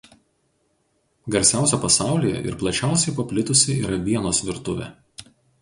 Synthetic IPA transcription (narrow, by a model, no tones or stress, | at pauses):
ɡɐɾʲsʲæˑʊsʲɛpɐsɑˑʊlʲijɛ̰ʔɪ̰ɾplˠɐt͡ʃʲæˑʊsʲɛɪpɐpʲlʲɪt̪ʊsʲɪiːɾɐʋʲiɛnoːsʋʲɪɾt̪ʊʋʲɛ̰